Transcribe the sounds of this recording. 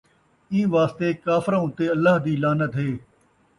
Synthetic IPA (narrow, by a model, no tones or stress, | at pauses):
ĩːʋaːst̪eːkaːfɾãːʊ̃t̪eːɐlːaːɦd̪iːlaːnət̪ɦeː